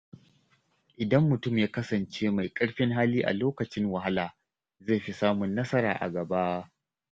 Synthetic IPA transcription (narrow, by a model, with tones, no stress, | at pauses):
ʔɪ˨dɐ˦mːʊ˨tʊ˦˨mjaː˦kɐ˦sɐ˨nt͡ʃeː˦ma˨jkʼɐ˦ɽɸɪ˦ŋɦaː˦liː˦ʔa̰˨loː˦kɐ˨t͡ʃɪ˦ŋwɐ˨ɦa˦laː˨ | zeː˦˨ɸi˦saː˦mʊ˨nːɐ˦sɐ˦ɾa̰ː˨ʔa̰˨ɡɐ˨ba˦ʔ